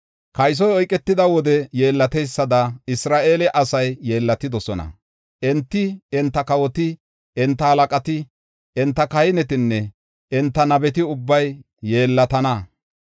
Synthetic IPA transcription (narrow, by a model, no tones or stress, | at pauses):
kɐjs̬ɔjɔjkʼːɛt̪ːɪd̪ɐwɔd̪ɛje̞ːlːɐt̪ɛjsːɐd̪ɐɪsɾaːʔeːlɛʔɐsɐjːeːlːɐt̪ːɪd̪ɔsɔnɐ̰ | ʔɛnt̪ːɪɛnt̪ːɐkɐwɔt̪ɪ | ɛnt̪ːɐhɐlɐkʼɐt̪ɪ | ɛnt̪ːɐkɐjɪnɛt̪ɪnːɛ | ɪnt̪ːɐnɐbɛt̪ɪʊbːɐjː | e̞ːlːɐt̪ɐnɐ